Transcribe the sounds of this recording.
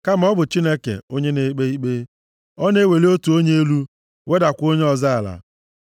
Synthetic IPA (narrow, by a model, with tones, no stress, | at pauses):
ka˦m̩˨ɔ˦bʊ˨t͡ʃi˦ne˦kḛ˨o˦ɲe˦ne˨˦k͡pe˦i˦k͡pe˦ | ɔ˦ne˦we˨le˦o˦tu˨o˦ɲe˦e˦lu˦ | we˦da˨kʷo˦ɲe˦ɔ˨za˦a˨la̰˨